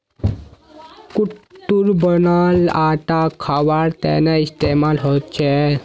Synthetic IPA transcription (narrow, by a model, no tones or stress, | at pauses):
kuʈːuɾbənalaʈ̪akʰaʋaɽt̪ɛ̰naist̪emalɦot̪t͡ɕʰe